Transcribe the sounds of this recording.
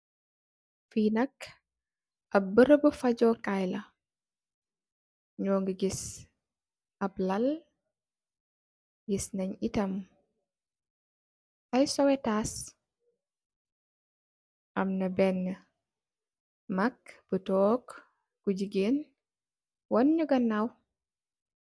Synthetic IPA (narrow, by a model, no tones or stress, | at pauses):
finɐk | ʔɐbəɾəbəfɐɟɔkajlɐ | ɲɔːŋɡəɡis | ʔɐblɐl | ɡisnɐɲitɐm | ʔɐjsɔwɛtas | ʔɐmnɐbɛnːə | mɐkb̥ətɔːk | ɡ̥uɟiɡeːn | wɐnɲuɡɐnːaw